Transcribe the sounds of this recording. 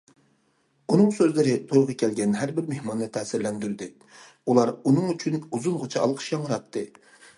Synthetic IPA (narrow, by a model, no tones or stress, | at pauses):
unɨŋsøzlɪɾɪt̪ʰoɾʁɑkʲʰɛlɡʲɛnɦæɾbɪɾmehmɑnːɨt̪ʰɛːsɪɾlɛnd̪yɾd̪ɪ | ulˠɑɾunɨŋyt͡ʃʰynuzunʁʊt͡ʃʰɑɑ̰lˠqʰʃjɑŋɾɑt̪ʰːɨ